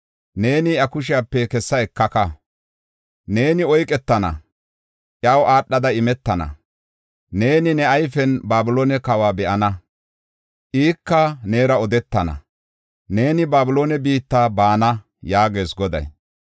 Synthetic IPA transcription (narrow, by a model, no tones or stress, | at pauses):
ne̞ːnɪɐkʊʃ̬ɪjaːpːɛkɛsːɐɛkːɐkɐ | ne̞ːnɪɔjkʼɛt̪ːɐnɐ̰ | ʔjɐwʔaːɗːɐd̪ɐɪmɛt̪ːɐnɐ̰ | ne̞ːnɪnɛɐjfɛnbaːbʊloːnɛkɐwaːbɛʔɐnɐ | ʔiːkːɐne̞ːɾɐɔd̪ɛt̪ːɐnɐ̰ | ne̞ːnɪbaːbɪlo̞ːnɛbiːt̪ːaːbaːnɐ | jaːɡe̞ːsɡɔd̪ɐ̰j